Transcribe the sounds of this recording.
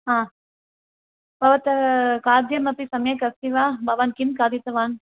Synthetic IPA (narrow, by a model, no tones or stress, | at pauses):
ɦãː | bʱɐʋɐt̪ɐkaːd̪jɐmɐpisɐmjɐkɐst̪iʋaːbʱɐʋaːnkinkaːd̪jit̪ɐʋaːn